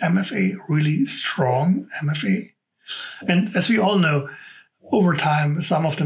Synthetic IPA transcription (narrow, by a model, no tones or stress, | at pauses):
ɛ̃mɛfeɪɹɪlˠistʰɹ̥ɔ̃ŋɛ̃mɛfeɪ | ɨ̃nɨzwiɔlˠnoʊ | oʊvə˞tʰãɪ̃msʌ̃mʌvðə